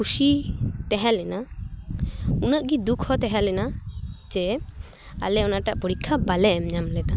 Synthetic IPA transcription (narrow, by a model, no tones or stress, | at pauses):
kʰusit̪ɛɦɛ̃lɛna | unəʔɡid̪ukʰhɔt̪ɛɦɛ̃lɛnad͡ʒɛ | a̰lɛɔnaʈaʔpɔɽikʰːabalɛmɲamlɛt̪a